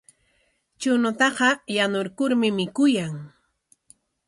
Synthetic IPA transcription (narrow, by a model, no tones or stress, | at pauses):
t͡ʃʊnʊt̪ɑqɑjanoɾkʊɾmɪmɪkʊjaŋ